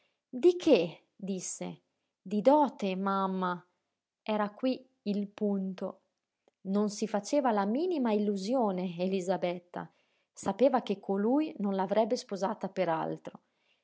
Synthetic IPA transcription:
d̪ikʰe | d̪isːḛ | d̪id̪ɔːt̪emamːa | ɛːɾakwi | ilpunt̪o̰ | nonsifat͡ʃeːvalamiːnimailːuzjoːneelizabɛt̪ːa̰ | sapeːvak̟ekʰːolujnonlavɾɛbːespozaːt̪apeɾa̰lt̪ɾo

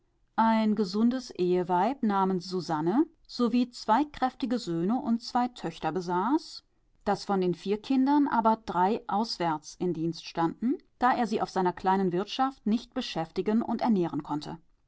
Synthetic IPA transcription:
ʔaɪnɡəzʊndəsʔeːəvaɪpnaːmənsz̥uzanə | z̥oviːt͡sv̥aɪkʁ̥ɛftɪɡəzøːnəʔʊnt̚t͡sv̥aɪtʰœçtɐbəzaːs | d̥asfɔndeːnfiːɐkʰɪndɐnʔa̰ːbɐd̥ʁaɪʔaʊsv̥ɛɐt͡sʔɪmdiːnstʃtandn̩d̥aːʔeːɐziːʔa̰ʊfz̥aɪnɐkʰl̥aɪnənvɪɐtʃaftnɪçt̚b̥əʃɛftɪɡənʔʊ̰ntɛɐnɛːʁ̞ənkʰɔntʰə̰

